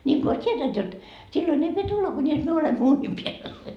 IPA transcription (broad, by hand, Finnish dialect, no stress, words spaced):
nʲiŋko ois tʲietænt jot silːon ei pie tulːɑ kunʲis myø olemːo uːnʲim piæl